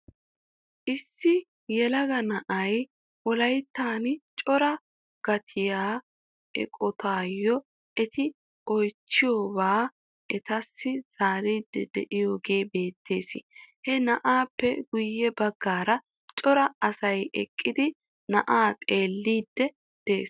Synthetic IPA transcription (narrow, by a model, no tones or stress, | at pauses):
ʔɪsːɪ | jɛlɐɡɐnɐʔɐj | wɔlɐjt̪ːaːnt͡ʃʼɔɾɐ | ɡ̥ɐt̪ʰɪjaː | ʔɛ̰kʼɔt̪ʰaːjːɔ | ɛt̪ɪ | ɔjt͡ʃːɪjoːbaː | ʔɛt̪ɐsːɪz̥aːɾiːd̪ːɛ̰d̪ɛ̰ʔɪjoːɡe̞ːbe̞ːt̪ʰːeːsɪ̰hɛnɐʔaːpːɛɡʊjːɛbɐɡːaːɾɐ | t͡ʃʼɔɾɐɐsɐjɛ̰kʼːɪd̪ɪ | nɐʔaːt̪ʼe̞ːlːiːd̪ːɛ | d̪̥eːs